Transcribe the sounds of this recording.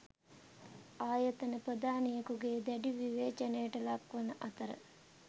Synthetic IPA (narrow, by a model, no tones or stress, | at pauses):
aːjɐt̪ɐnɐpɾəd̪aːnijɐkuɡed̪ɛɖiʋiʋeːt͡ʃɐnejʈɐlɐkʋɐnɐʔɐt̪ɐɾə̰